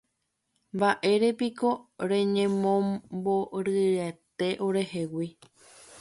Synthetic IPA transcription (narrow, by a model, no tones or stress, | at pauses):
mbaʔe̞ɾe̞piko̞ɾẽ̞ɲẽ̞mõboɾɨɾet̪e̞ʔo̞ɾe̞he̞wi